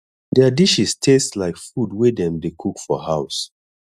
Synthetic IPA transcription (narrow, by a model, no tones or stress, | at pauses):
dɛadiʃistʰesslaɪkfudwedɛ̃mdekʰukfɔhaʊs